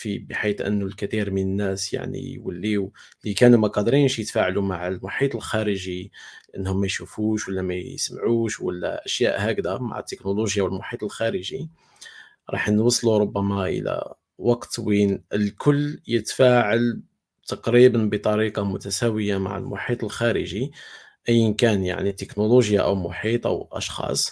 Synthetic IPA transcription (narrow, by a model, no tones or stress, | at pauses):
fibəħit̪ʔə̰nːulkæt̪iɾmənənːæsja̰ʕnḭjwə̰lːiwlikænumæqɑd̪ɾinʃjət̪faʕlumaʕəlmʊħit̪ˤəlxæɾəʒilʔənːhʊmːæjʃufuʃwəlːæmæsəmʕuʃwə̰lːæ̰ʔəʃjæ̰ʔhækd̪ama̰ʕət̪ːəknoloʒjawəlmʊħit̪ˤəlxæɾəʒi | ɾˤɑ̰ħnwɑsˤːluɾˤʊbːæmaʔə̰læ̰ | wɑqt̪winəlkʰʊlːjət̪fæʕal | t̪ɑqɾibənbət̪ˤɑɾiqɑmʊt̪æsæwəjama̰ʕə̰lmʊ̰ħit̪ˤəlxæɾəʒi | ʔəjːənkænja̰ʕnit̪əknoloʒjaʔə̰wmʊħit̪ˤʔə̰wʔɑʃxɑ̰sˤ